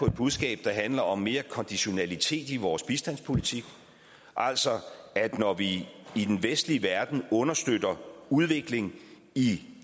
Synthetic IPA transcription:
ɒ̽e̝d̥̚b̥uðˠsɡ̥ɛ̰ːb̥̚d̥ɑ̈ɦænlɐɒ̽mːe̝ːɐkʰɒ̽nd̥iɕo̝nælit͡sʰe̝̰ːd̥iʋɒːsb̥isd̥æn̰spʰo̝lit͡sʰiɡ̥ | ʔæl̰sɒæd̥nɒʋiːd̥enʋesd̥liəʋæɐd̥n̩ɔ̽nɐsd̥ødɐuð̞ˠʋe̝ɡ̥le̝ŋ | i

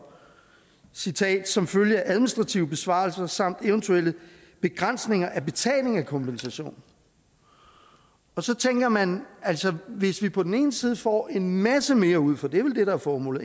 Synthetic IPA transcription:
sit͡sʰɛ̰ːd̥sɒ̽mføljəæʔæðˠminisd̥ʁɑ̈t͡sʰiʊəb̥e̝sʋɑ̰̈lsɐsɑ̈m̰d̥eʊnt͡sʰuel̰ə | b̥e̝ɡ̥ʁan̰sne̝ŋɐʔæb̥e̝t͡sʰɛ̰ːle̝ŋækʰɒ̽mpʰensæɕo̝̰ːn | ɒ̽sɒ̽t͡sʰeŋɡ̥ɐmænælsɒʋe̝sʋipʰɒ̽d̥en̩e̝ːnəsiːð̞ˠfɒ̰ːʔe̝nmæsəme̝ːɐuð̞̰ˠfɒ̽d̥e̝ʋe̝ld̥e̝ɾ̥ɑ̈æɐfɒːmɔ̰ːl̩ˠ

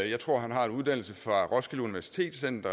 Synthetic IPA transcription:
jɑ̈ɪt͡sʰʁo̝ɐ̰ɦænɦɑ̈e̝nuð̞̥ˠæn̰l̩səfʁɑ̈ʁɒ̽sɡ̥əluniʋæɐsi̥t͡sʰe̝̰ːd̥sen̰d̥ɐ

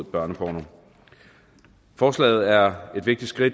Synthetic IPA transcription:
ð̩ˠb̥ɶɐnəpʰɒ̰ːno | fɒːslɛ̰ːɪð̞̩ˠæɐe̝d̥ʋe̝ɡ̥̚d̥id̥sɡ̥ʁid̥

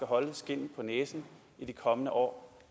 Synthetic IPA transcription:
ɡ̥æɦɒ̽ləsɡ̥e̝n̰n̩pʰɒ̽neːsn̩ | id̥ikʰɒ̽mənəʔɒ̰ː

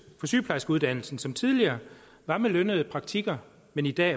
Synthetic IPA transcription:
fɒ̽sy̰ːpʰlɑ̈ɪsɡ̥uð̞ˠd̥æn̰l̩sn̩sɒ̽mt͡sʰið̞ˠliɐː | ʋɑ̈məlønəð̞̩ˠpʰʁɑ̈ɡ̥̚t͡sʰiɡ̥ɐ | menid̥ɛ̰ː

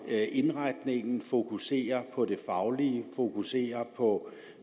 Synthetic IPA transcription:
ʔe̝nʁaɪd̥ne̝ŋn̩fo̝kʰuse̝̰ːɐpʰɒ̽de̝fɑ̈ʊliəfo̝kʰuse̝̰ːɐpʰɒ̽

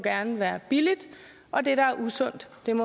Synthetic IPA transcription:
ɡ̥æɐnəʋæːɐb̥ilid̥ | ʔɒ̽d̥e̝ɾ̥ɑ̈æɐʔusɔn̰d̥ːe̝mɔ

